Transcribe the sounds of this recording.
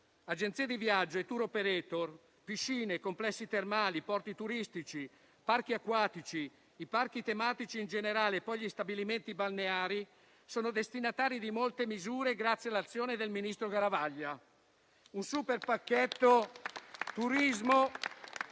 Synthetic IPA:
ad͡ʒent̪sied̪ivjad͡ʒːoet̪ːuɾopeɾet̪or | piʃːiːnekomplɛsːit̪ermaːlipɔrt̪it̪uɾist̪it͡ʃi | park̟iakːwaːt̪it͡ʃiː | park̟it̪emaːt̪it͡ʃiːnd͡ʒeneɾaːleːpːɔjʎist̪abiliment̪ibalneaːɾi | soːnod̪est̪inat̪aːɾid̪imolt̪emizuːɾeɡɾat̪sːjalːat̪sːjoːned̪elminist̪ɾoɡaɾavaʎːa | unsuperpakːet̪ːo | t̪uɾizmo

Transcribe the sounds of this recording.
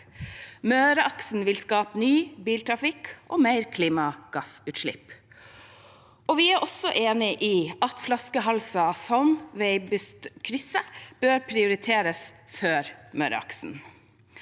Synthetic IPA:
møːɾəʔɑksn̩ʋɪlskɑːpnyːbiːlt̪ʰɾɑfɪkʔoːmeɪɾkʰliːmɑɡ̥ɑsʉːt̪ʃɭɪ̰p | ɔʋɪæːʔɔsɔʔeːnɪʔiːɑt̪flɑskəɦɑlsɑsɔmʋeɪbʉst̪kʰɾʏsəb̥øːɾpʰɾɪʊɾɪt̪ʰeːɾəsføːɾmøːɾə̰ɑ̰ksn̩

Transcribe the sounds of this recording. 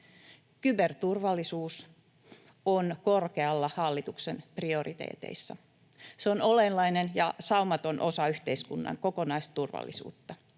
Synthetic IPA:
kybert̪urʋɑlːisuːs | onko̞rke̞ɑlːɑhɑlːit̪uksenprio̞rʔit̪ḛːt̪e̞̰isːɑ̰ | seono̞lenːɑinenjɑsɑumɑt̪o̞nʔo̞sɑyht̪e̞iskunːɑ̰ŋko̞ko̞nɑist̪urʋɑ̰lːḭsṵːt̪ːɑ

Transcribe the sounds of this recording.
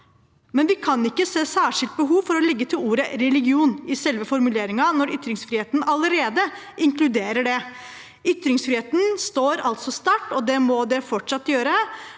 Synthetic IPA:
mɛnʋɪkʰɑnɪkːəseːsæːʂɪlt̪̚bəɦuːʋfɔɾɔlɛɡːət̪ʰɪluːɾəɾɛlɪɡɪuːnɪsɛlʋəfɔɾmʉleːɾɪŋɑnɔɾʏt̪ɾɪŋsfɾiːeːt̪nɑləɾeːd̪ə | ʔɪŋklʉd̪eːɾəɖɛ | ʏt̪ɾɪŋsfɾiːeːt̪n̩st̪oːɾɑ̰lt̪sɔst̪ɑʈːɔd̪ɛmɔd̪ɛfɔʈʂɑt̪ːjøːɾə

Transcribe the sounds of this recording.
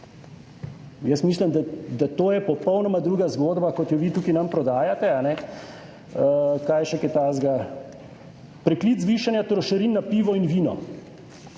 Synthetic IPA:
jɛsmislimd̪ad̪at̪oːjɛpɔpɔwnɔmad̪ɾuːɡazɡoːd̪bakɔt̪jɔʋiːt̪uːkinampɾɔd̪aːjat̪ɛanɛ | kaːjʃɛkɛt̪aːzɡa | pɾɛkliːd̪zʋiːʃanjat̪ɾɔʃɐɾinːapiːʋɔinʋiːnɔ̰

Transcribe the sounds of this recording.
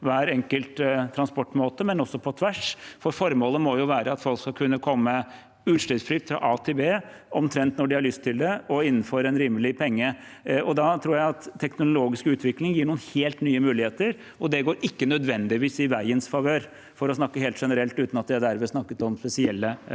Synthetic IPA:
ʋæːɾɛŋkəlt̪t̪ʰːɾɑnspɔʈːmoːt̪əmɛnɔsːɔpʰɔt̪ʰʋæʂfɔɾfɔɾmoːləmɔjʊʋæːɾəɑt̪fɔlkskɑkʰʉnːəkʰɔmːə | ʉːʂʈɛsfɾʏːt̪fɾɑ̰ʔɑt̪ʰebeː | ɔmt̪ʰɾɛnt̪nɔɖɪhɑɭʏst̪ʰːɪld̪ɛɔɪnːənføɾɛnɾiːmːəlɪpʰɛŋːə | ʔɔd̪ɑt̪ʰɾuːɾjæɪɑt̪ʰːɛknʊloːɡɪskʉːt̪ʰʋɪklɪŋjiːɳuːənheːlt̪nyːəmʉːlɪheːt̪əɾ | ɔd̪ɛɡoːɾʔɪkːənœd̪ʋɛnd̪ɪʋiːsɪʋæɪənsfɑʋøːɾ | fɔɾɔsnɑkːəɦeːlt̪ʂɛnəɾɛlt̪ʉːt̪nɑt̪̚d̪ɪæɖæɾmɛsnɑkːət̪ɔmspɛsɪɛlːə

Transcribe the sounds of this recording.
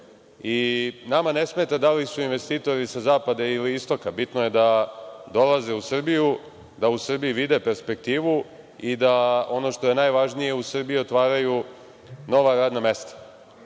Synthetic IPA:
inamane̞sme̞t̪ad̪alisuinʋe̞st̪iːt̪o̞ɾisazaːpad̪ailiist̪o̞kabit̪noje̞d̪ad̪o̞lˠazeusr̩biju | d̪ausr̩bijiʋid̪e̞pe̞ɾspe̞k̚t̪iːʋu | id̪ao̞no̞ʃt̪o̞je̞najʋaʒnije̞usr̩bijio̞t̪ʋaːɾaju | no̞ʋaɾaːd̪name̞st̪ḁ

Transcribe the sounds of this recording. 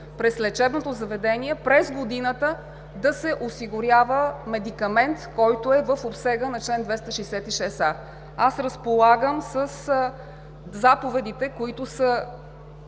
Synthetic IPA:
pɾɛslɛt͡ʃɛbnot̪ozɐvɛd̪ɛniɛpɾɛzɡod̪inət̪ə | d̪ɐsɛʔosiɡʊɾjavəmɛd̪ikɐmɛnt̪kɔjt̪ʊɛvəfopsɛɡənɐt͡ʃlɛnd̪vɛst̪əʃɛjsɛt̪iʃɛsa | asɾəspolˠaɡəmsəs | zapovɛd̪it̪ɛkoit̪ʊsə

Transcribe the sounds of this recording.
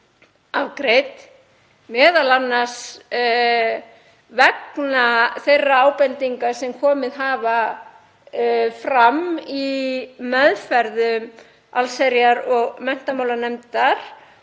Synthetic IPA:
avkɾejt̪ | mɛːðalanːḁs | vɛknaθejrːaaːwpɛnt̪iŋkḁsɛmkʰɔːmɪðɦaːva | fɾamimɛðfɛɾðʏm | alsɛɾjaɾɔɣmɛn̥t̪amaːwlanɛmt̪aɾ̥

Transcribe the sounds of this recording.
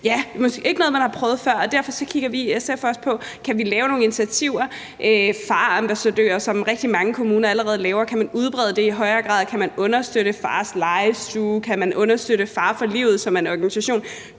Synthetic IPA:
jæmɒsɡ̥e̝e̝ɡ̥ənɔ̽ðˠmænhɑ̈pʰʁœːʊð̩ˠfɶɐ̰ɒ̽d̥æɐ̰fɒ̽sɒ̽kʰiɡ̥ɐʋiesefspʰɒ̽kʰæʋilɛːʊno̝ːŋn̩int͡sʰiæt͡sʰiʊ̰ɐ | ʔøfɑ̈ːɑmb̥æsæd̥ø̰ːɐsɒ̽mʁɛɡ̥̚d̥imɑ̈ŋəkʰo̝muːnɐæləʁɛːð̞ˠlɛːʊɐkʰæmænuð̞ˠb̥ʁɛð̞ˠd̥e̝iɦɒ̽ɪɐɡ̥ʁɑ̰̈ːðˠkʰæmænɔ̽nɐsd̥øɾəfɑ̰̈ːslɑ̈ɪsd̥uːkʰæmænʔɔ̽nɐsd̥øɾəfɑ̈ːfɒ̽lḭʊð̞̩ˠsɒ̽mæe̝nɒɡ̥ænisæɕo̝̰ːn

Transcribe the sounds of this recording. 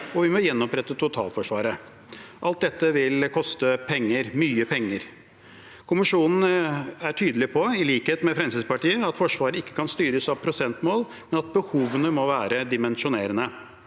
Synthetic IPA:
ɔʋɪmɔjɛnːɔpɾɛt̪ːət̪ʰʊt̪ʰɑ̰ːlfɔʂʋɑːɾə | ʔɑlt̪̚d̪ɛt̪ːəʋɪlkʰɔst̪əpʰɛŋːəɾmyːəpʰɛŋːəɾ | kʰʊmɪʂuːnn̩æʈʰyːd̪əlɪpʰɔɪliːkheːt̪mɛfɾɛmsɪspɑʈiːəɑt̪fɔʂʋɑːɾəɪkːə̥kɑnst̪yːɾəsɑʋpʰɾʊsɛnt̪moːl | mɛnɑt̪̚bəhuːʋənəmɔʋæːɾəd̪ɪmɛnʂʊneːɾənə

